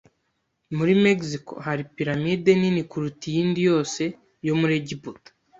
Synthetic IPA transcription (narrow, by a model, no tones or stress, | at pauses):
muɾimeɡsiko̞̰haɾipiɾamiːde̞ninikuɾutijiːndijo̞ːse̞ | jo̞muɾeɟibut